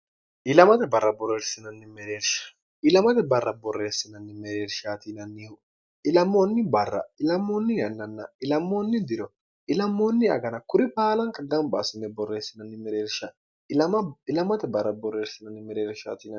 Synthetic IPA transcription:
ɪlɐmɐt̪ɛbɐrːɐbɔrːeːɾsɪnɐnːɪmɛɾeːɾʃḁ | ɪlɐmɐt̪ɛbɐrːɐbɔrːeːsɪnɐnːɪmɛɾeːɾʃaːt̪inɐnːihʊ | ɪlɐmːoːnːɪbɐrːɐ̰ɪlɐmːoːnːɪjɐnːɐnːaɪlɐmːonːɪd̪ɪɾɔ | ɪlɐmːoːnːɪɐ̰ɡɐnɐkʊɾɪpaːlɐŋkɐɡɐmba̰sɪnːɛbɔrːeːsɪnɐnːɪmɛɾeːɾʃa | ɪlɐmɪlɐmɐt̪ɛbɐrːɐbɔrːeːɾsɪnɐnːɪmɛɾeːɾʃa̰ːt̪inɐ

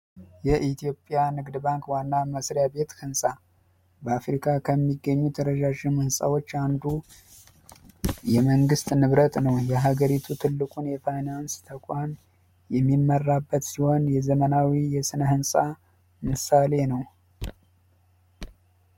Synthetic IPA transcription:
jɛʔit̪ʰjo̞pʼjanɨɡd̪ɨbaŋkwanːaməsɾjabe̞t̪hɨnsʼa | bəafɾikʰakʰəmːiɡːəɲːut̪ʰəɾəʒaʒɪmhɨnsʼa̰wo̞t͡ʃːand̪u | jɛməŋɡɨst̪ʼnɨβɾət̪ʼnəwjɛɦaɡəɾit̪ʰut̪ʰɨlːɨkʼunjɛfajnanst̪ʰəkʷʼan | jɛmːimːərːabːət̪siho̞njɛzəmənawijɛsɨnəhɨnsʼa | mɨsale̞nəw

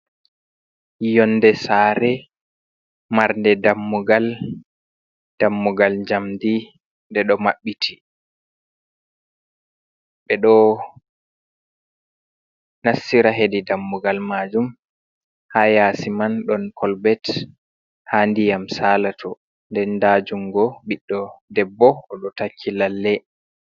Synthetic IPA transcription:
jɔnːdɛsaːɾɛ | maɾndɛdamːuɡal | d̥amːuɡald͡ʒamdi | ndɛɗɔmaɓːitʰi | ɓɛɗɔ | nasːiɾaɦedidamːuɡalmad͡ʒum | hajasimanɗɔnkʰɔlbɛt | handijamsalatʰɔ | ndɛndad͡ʒumɡɔɓiɗːɔdɛbːɔɔɗɔtakʰːilalːɛ

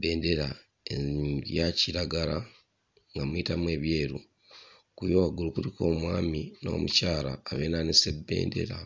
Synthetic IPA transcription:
be̞ːnde̞ɾa | eɾjaciɾaɡaɾa | ŋɡamwiːtamuwe̞ːβje̞ːɾu | kujoaɡulukuɾiko̞ːmwaːmino̞̰ːmucaːɾa̰ːβe̞ːnanese̞bːe̞̰ːnde̞̰ɾa

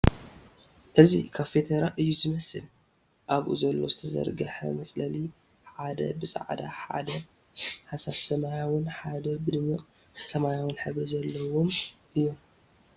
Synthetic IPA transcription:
ʔɨzḭkʰaβfe̞t̪ʰeɾaʔɨjːuzɨmɐsɨl | ʔaβʔṵzɐlːo̞zɨt̪ʰɐzɐ̰ɾɡɐħɐ̰mɐt͡sʼlɐli | ħad̪ɐ̰bɨsʼɐ̰ʕd̪a̰ħa̰d̪ɐ | ħasaβsɐmajawʊnħad̪ɐbɨd̪ɨmɨqʼsɐmajawʊnħɨβɾɐzɐlːɐwomʔɨjːo̞m

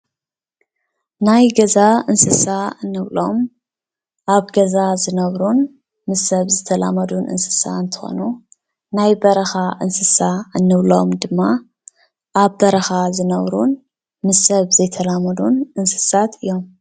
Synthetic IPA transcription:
najɡɐzaɨnsɨsaɨnːɨβlo̞̰m | ʔaβɡɐzazɨnɐβɾun | mɨsːɐβzɨt̪ʰɐla̰mɐd̪unʔɨ̰nsɨ̥sa̰ɨnt̪ʰɨ̥xo̰nu | najbɐɾɐxaʔɨnsɨsaɨnːɨβlo̞̰md̪ɨmːa | ʔaβbɐɾɐxazɨnɐβɾun | mɨsːɐβzɐjt̪ʰɐlamɐd̪unɨnsɨ̥sat̪ɨjːo̞m

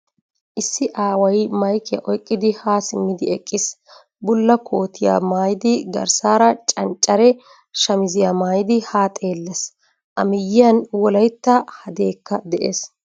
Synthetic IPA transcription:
ʔɪsːɪʔaːwɐjmɐjkɪjɐ̰ʔɔjkʼːɪd̪ɪhaːsɪmːɪd̪ɪɛkʼːɪs | bʊlːɐkʰo̞ːt̪ɪja̰ːmaːjɪd̪ɪɡɐ̰ɾsaːɾɐt͡ʃʼɐnt͡ʃʼːɐɾɛ | ʃɐmɪzɪjamaːjɪd̪ɪhaːt̪ʼe̞ːlːɐs | ʔɐmɪjːɪjɐnwɔlɐjt̪ːɐhɐd̪e̞ːkːɐd̪ɛʔḛːs

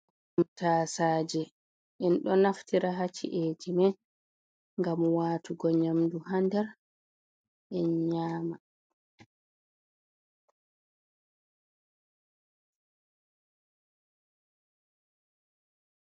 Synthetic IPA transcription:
mtaːsaːd͡ʒɛ | ʔɛnɗɔnaftiɾaɦat͡ʃːḭʔed͡ʒimɛn | ŋɡamwaːtuɡɔɲamduɦandɛɾ | ʔɛɲaːma

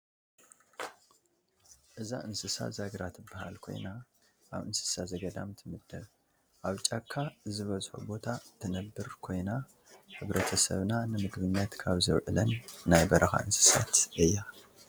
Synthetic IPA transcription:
ʔɨza̰ʔɨnsɨsa̰zaɡɾat̪ɨbːaha̰lkʰo̞̰jna | ʔa̰βɨnsɨ̥sazɐɡɐd̪a̰mt̪ʰɨmɨd̪ːɐβ | ʔaβt͡ʃʼakʰːazɨβɐzħṵbo̞t̪ʰat̪ʰɨnɐbːɨɾkʰo̞jna | ħɨβɾʔɐt̪ʰɐsɐ̰βnanɨmɨɡβɨɲjat̪kʰaβzɨβʕɨ̰lɐnːajbɐɾʔɐxa̰ʔɨnsɨ̥sa̰t̪ʔɨjːa

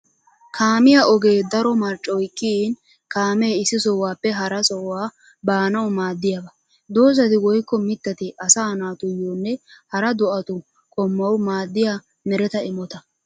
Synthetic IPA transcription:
kʰaːmɪjaʔɔɡe̞ːd̪ɐɾɔmɐɾt͡ʃʼːɔjkːin | kaːmeːɪsːɪsɔwaːpːɛɦɐɾɐsɔwaː | baːnɐwmaːd̪ːɪjɐbɐ | d̪o̞ːzɐt̪ɪwɔjkːɔmɪt̪ːɐt̪ɪʔɐsaːnaːt̪ʊjoːnːɛhɐɾɐd̪ɔʔɐt̪ʊ | kʼɔmːɐwmaːd̪ːɪja | mɛɾɛt̪ɐɪmɔt̪ɐ

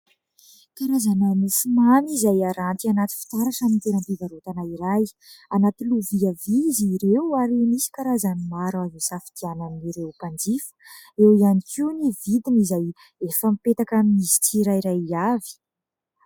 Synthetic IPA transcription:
kaɾazanamisimanizajaɾant̪ianat̪i̥fi̥t̪aɾaʈ͡ʂamint̪eɾanp̪ivaɾot̪anaiɾaj | anat̪iluviaviziɾewaɾimisi̥kaɾazanimaɾazusafid̪̥iananːiɾewpand͡ʒifə̥ewianikʲiunivid̪inizaj | efəmipet̪akamimizi̥t͡siɾajiɾajiavi̥

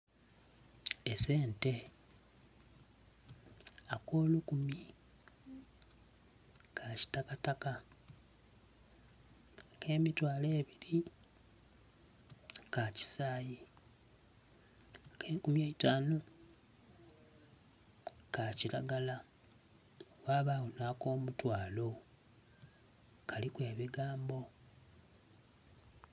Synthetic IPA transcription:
ese̞ːnte̞ | akoːlukumi | kʰaci̥takataka | keːmitwaːle̞ːβiɾi | kaci̥saːji | kʰeːŋkumjeːitaːno | kaciɾaɡala | waːβawonako̞ːmutwaːlo̞ | kʰalikwe̞ːβiɡaːmbo̞

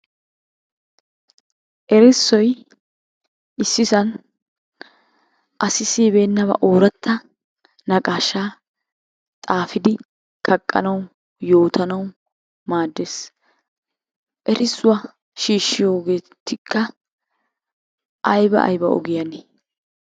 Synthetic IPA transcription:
ʔɛɾɪsːɔj | ʔɪsːɪsɐn | ʔɐsɪsiːbe̞ːnːɐβɐ̰ʔoːɾɐt̪ʰːɐ | nɐkʼaːʃaː | t̪ʼaːfɪd̪ɪ | kʰɐkʼːɐ̰nɐw | jo̞ːt̪ʰɐnɐw | maːd̪ːes | ʔɛɾʔɪsːʊwɐ | ʃiːʃːɪjo̞ːɡe̞ːt̪ːɪkʰːɐ | ʔɐjbɐ̰ʔɐ̰jbɐ̰ɔ̰ɡɪjɐne

